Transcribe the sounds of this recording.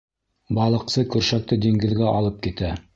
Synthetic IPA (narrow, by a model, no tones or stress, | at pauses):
bɑlˠɤ̆qsɤkʉɾʃæk̚t̪ɘd̪iŋɡɘ̆ðɡæʔɑlˠɤp̚kit̪æ